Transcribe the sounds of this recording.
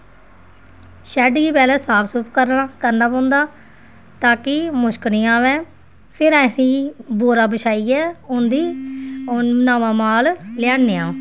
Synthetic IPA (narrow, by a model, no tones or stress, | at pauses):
ʃɛːɖɡiːpɛːlɛ̃ːsaːpʰsʊpkəɾnaːkəɾnaːpɔ̃ːnd̪aː | t̪aːkɪmʊʃkənĩːãːʋɛ̃ː | pʰɪɾɛ̃ːsĩːboːɾaːbəʃʰaːiːɛːʊnd̪iː | naːʋãːmaːllɪjaːnːeːãː